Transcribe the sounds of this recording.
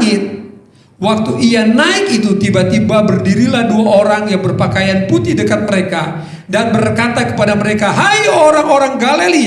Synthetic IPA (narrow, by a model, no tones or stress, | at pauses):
ŋɪt̪̚ | wak̚t̪uʔianaɪkit̪ut̪ibat̪ibabərdiɾilahduaʔoɾaŋjaŋbərpakajanput̪idəkat̪̚məɾeka | danbərkat̪akə̥padaməɾekaɦajoɾaŋoɾaŋɡaleli